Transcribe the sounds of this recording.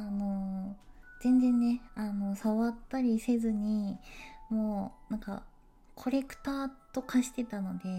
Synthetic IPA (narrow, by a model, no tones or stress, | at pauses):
ano̞ | zẽ̞nd͡zẽ̞nːe̞ano̞saβat̪ːaɾʲise̞zɨɲ̟i | mo̞ːnãŋka̰ | kʰo̞ɾe̞kɯ̟̥t̪aːt̪o̞kaɕi̥t̪e̞t̪ano̞d̪e̞